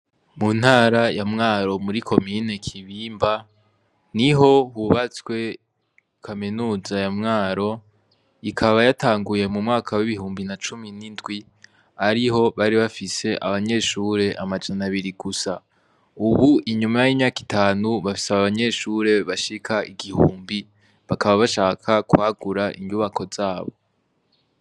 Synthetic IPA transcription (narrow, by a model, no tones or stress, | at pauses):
mun̥haːɾajamŋaːɾo̞muɾikʰo̞mine̞kʰiβiːmba | niɦo̞huβat͡swe̞ | kʰaminuːzajamŋaːɾo̞ | ikʰaβajataːŋɡuje̞mumŋaːkʰawiβihuːmbinat͡ʃuminindɡwi | aɾiɦo̞βaɾiβafise̞ʔaβaɲe̞ʃuɾe̞ʔamad͡ʒanaβiɾiɡusa | uβuʔiɲumajimɲaːki̥taːnuβafi̥saβaβaɲe̞ʃuːɾe̞βaʃikʰaʔiɡihuːmbi | βakaβaβaʃaːkʰakuhaɡuɾaʔḭɲɟuβakʰo̞z̥aːβo̞̰